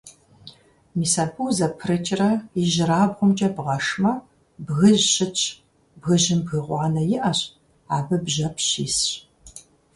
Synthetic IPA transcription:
miːsɐpʰuwzɐpʰrɨt͡ʃʼrɐiʒɪraːbʁʷʊmt͡ʃʼɐbʁɐʂmɐ | bɣɨʑɕɪt͡ʃʼʰ | bɣɨʑɪmbɣɨʁʷɑːnɐjɪʔɐɕ | aːbɐbʒɐpʰɕiːsɕ

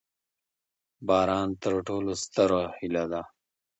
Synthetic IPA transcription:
bɑːɾɑːnt̪əɾʈoːlost̪əɾahilad̪a

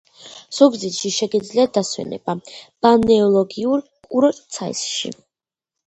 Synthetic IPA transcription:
z̥ɔɡzit̪ʃiʃɛɡid̪zliat̚d̪aswɛ̰nɛ̰b̥ab̥anɛɔlˠɔɡiuɾ | kʼuɾɔt̪ʼt̪sʰaḭsʃḭ

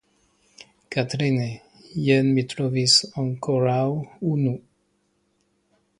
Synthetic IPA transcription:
kat̪ɾine | jɛnmit̪ɾovisɔ̃ŋkʰoɾawunu

